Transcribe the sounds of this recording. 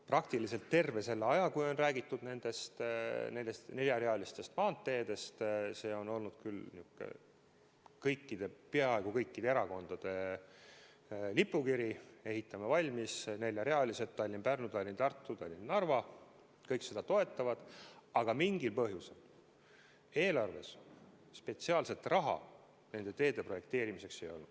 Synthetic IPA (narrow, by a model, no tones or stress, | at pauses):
prɑkt̪ilise̞lt̪ːe̞rve̞se̞lːeɑjɑkujo̞nræːɡit̪ːud̪ne̞nd̪̥e̞st̪ne̞est̪ne̞lʲjɑreɑlist̪e̞st̪mɑːnt̪ːe̞ːd̪̥e̞st̪se̞ːo̞no̞lnud̪̥̚kylniukːˑḛ | kɤjkːid̪̥e̞peɑe̞ɡ̥ukɤjkːid̪e̞eɾɑko̞nd̪̥ɑd̪̥e̞ | lipːˑukiɾie̞ɦit̪ːˑɑmevɑlʲmisne̞lʲːjɑɾe̞ɑliset̪ːɑlʲːinpærnut̪ɑlʲint̪ɑrt̪ˑːut̪ɑlʲːinnɑrvɑ | kɤjkse̞d̪̥ɑt̪o̞e̞t̪ːˑɑvɑd̪̥ɑɡ̥ɑmiŋɡilpɤɦjusel | e̞ːlɑrve̞s | spe̞t̪siɑːlse̞t̪rɑɦɑ̰ | ne̞nd̪̥e̞t̪e̞ːd̪̥e̞pro̞je̞k̚t̪e̞ːɾimise̞kse̞jo̞lnud̪̥